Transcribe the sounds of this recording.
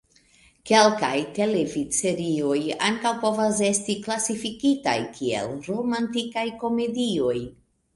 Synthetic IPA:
ke̞lka̰jte̞levise̞ɾio̞ja̰ŋkawpo̞vas̬e̞stiklasifikita̰jkʰie̞̰lɾo̞mantikajko̞me̞dio̞j

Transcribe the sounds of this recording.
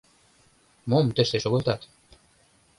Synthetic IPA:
momt̪ɘ̆ʃt̪eʃoɣɤ̆lˠt̪ɑt̪

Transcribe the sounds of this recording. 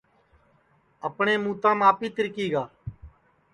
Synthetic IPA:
əpɳeːmuːt̪ãːmaːpiːt̪ɪɾkiːɡaː

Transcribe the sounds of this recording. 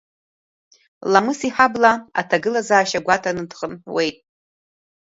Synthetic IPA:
lamɨsiħablaa̰tʰaɡɨlazaːʃaɡʷatʰanɨdχənwe̞jtʼ

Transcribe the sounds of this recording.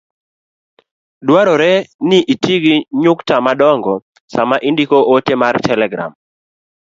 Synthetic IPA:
dwaɾɔɾɛnɪʔitʰiɡiɲʊktamadɔŋɡɔ | samaʔindikoʔotemartʰɛlɛɡɾa̰m

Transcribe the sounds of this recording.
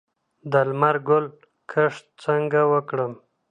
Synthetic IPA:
d̪almaɾɡʊl | kʰəʂt̪t͡səŋɡawəkɽəm

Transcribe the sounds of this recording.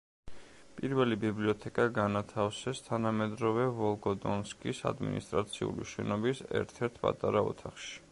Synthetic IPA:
pʼiɾvɛlibibliɔt̪ʰɛkʼaɡanat̪ʰafsɛst̪ʰanamɛd̪ɾɔvɛvɔlˠɡɔd̪ɔnskʼisa̰d̪mḭnist̪ʼɾat̪sʰiṵlḭʃɛnɔbisɛ̰ɾt̪ʰɛɾt̪ʰpʼa̰t̪ʼaɾaɔ̰t̪ʰaχʃi̥

